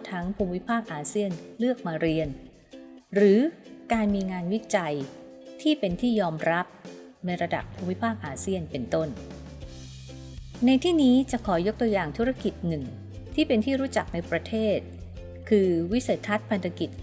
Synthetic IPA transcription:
t̪ʰa˦˥ŋpʰuː˧mwi˦˥pʰaː˥˩k̚ʔaː˧si˥˩ənlɯ˥˩ək̚maː˧ɾi˧ən | ɾɯː˩˦kaː˧nmiː˧ŋaː˧nwi˦˥t͡ɕa˧jt̪ʰiː˥˩pe˧nt̪ʰiː˥˩jɔː˧mɾa˦˥p̚na˧jɾa˧da̰˨˩pʰːuː˧mwi˦˥pʰaː˥˩k̚ʔaː˧si˥˩ənpe˧nt̪o˥˩n | na˧jt̪ʰiː˥˩niː˦˥t͡ɕa˨˩kʰɔː˩˦jo˦˥k̚t̪u˧əjaː˨˩ŋt̪ʰu˦˥ɾa˦˥ki˨˩t̪̚nɯ˨˩ŋ | t̪ʰiː˥˩pe˧nt̪ʰiː˥˩ɾuː˦˥t͡ɕa˨˩k̚na˧jpɾa˧t̪ʰeː˥˩t̪̚ | kʰɯː˧wi˦˥se˨˩t̪ʰːa˦˥t̪̚pʰa˧nt̪ʰa˧ki˨˩t̪̚

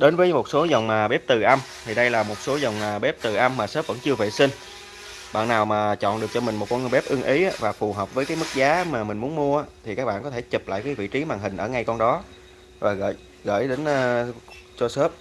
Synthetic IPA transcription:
ɗe˨˦nvəː˨˦jmo˨˩t̚so˨˦zə˨˩wŋ͡mmaː˨˩ɓe˦˥p̚t̪ɨ˨˩ʔa˧m | t̪ʰi˨˩ɗə˧jlaː˨˩mo˨˩t̚so˨˦zə˨˩wŋ͡mmaː˨˩ɓe˦˥p̚t̪ɨ˨˩ʔa˧mːaː˨˩səː˦˥p̚və̰˧˥nt͡ɕɨ˧əvḛ˧˩sï˧ŋ | ɓa̰ː˧˨nːaː˨˩wmaː˨˩t͡ɕɔ̰˧˨nɗɨ˨˩ək̚t͡ɕɔ˧mï˨˩ŋ̟mo˨˩t̚kɔ˧ŋ˨˩ɓɛ˦˥p̚ʔɨ˧əŋʔi˨˦ʔa˨˦vaː˨˩fu˨˩ɦəː˨˩p̚vəː˨˦jka˨˦jmɨ˦˥k̚zaː˨˦maː˨˩mï˨˩ŋ̟mu˨˦ənmu˧əaː˧t̪ʰi˨˩kaː˦˥k̚a̰ː˧nkɔ˨˦t̪ʰe˧˩t͡ɕi˨˩p̚la̰ː˧˨jkaː˨˦vḭ˧˨t͡ɕi˨˦maː˨˩ŋɦï˨˩ŋ̟ʔəː˧˩ŋa˧jkɔ˧nɗɔ˨˦ | vaː˨˩ɣə̰ː˧˨˩j | ɣə̰ː˧˩jɗe˨˦nː˧so˧səː˦˥p̚

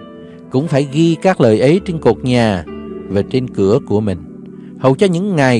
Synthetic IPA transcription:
kʊ̰˧˥ŋ͡mfaː˧˩jɣi˧kaː˦˥k̚ləː˨˩jʔə˨˦jt͡ɕe˧nku˨˩ək̚ɲaː˨˩vaː˨˩t͡ɕe˧nkɨ˧˩əku˧˩əmï˨˩ŋ̟ | hə˨˩wt͡ɕɔ˧ɲɨ̰˧˥ŋːa˨˩j

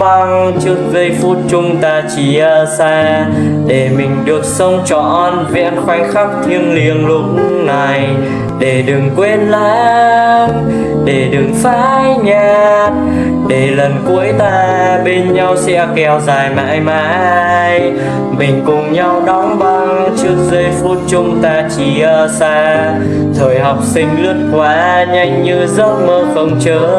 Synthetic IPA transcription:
a˧ŋt͡ɕɨ˦˥ək̚və˧jfu˦˥t̚t͡ɕʊ˧ŋ͡mt̪aː˧˩t͡ɕi˧˩ʔəː˨˩saː˧ɗe˨˩mï˨˩ŋ̟ɗɨ˨˩ək̚sə˧wŋ͡mt͡ɕɔ̰˧˨nve˧˨ə˧nxwa˧jŋ̟xa˦˥p̚t̪ʰi˧ənli˧˨ənlʊ̰˧˨˦na˨˩j | ɗe˨˩ɗɨ˨˩ŋkwe˧n̚la̰ː˧˥ŋ | ɗe˨˩ɗɨ˨˩ŋfaː˧˥˧jɲaː˧˩t̚ | ɗe˨˩lə˨˩nku˨˦əjt̪aː˧ɓe˧nɲa˧wsɛ̰˧˥kɛ˧˩wzaː˨˩jma̰ː˧˥jma̰ː˧˥˧j | mï˨˩ŋ̟kʊ˨˩ŋ͡mɲa˧wɗɔ˨˦wŋ͡mɓa˧ŋt͡ɕɨ˦˥ək̚zə˧jfu˦˥t̚t͡ɕʊ˨˦ŋ͡mt̪aː˧t͡ɕi˧˩əː˧˩saː˧ | t̪ʰəː˨˩jɦa˨˩wk͡p̚sï˧ŋ̟lɨ˦˥ət̚kwaː˧˥ɲa˧jŋ̟ɲɨ˧zə˦˥t̚məː˧xə˧˩wŋ͡mt͡ɕəː˨˦

